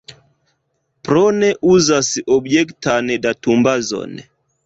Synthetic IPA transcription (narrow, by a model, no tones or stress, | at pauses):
pɾɔnɛʔuzasiʔɔbd͡ʒɛktanɛdatumbazɔ̰nɛ̰